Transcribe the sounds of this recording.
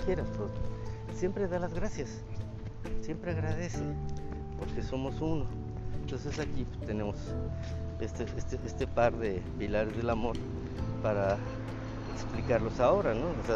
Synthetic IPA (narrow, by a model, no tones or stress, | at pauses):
kje̞ɾast̪oð | sje̞mpɾe̞ðalazɣɾasjas | sje̞mpɾeaɣɾaðe̞se | po̞ɾke̞so̞mo̞suno̞ | ent̪o̞ns̬e̞sakipest̪e̞ne̞mo̞s | est̪eest̪eʔest̪epaɾðepilaɾezðe̞lamo̞ɾ | paɾa | eksplikaɾlo̞sao̞ɾano̞ose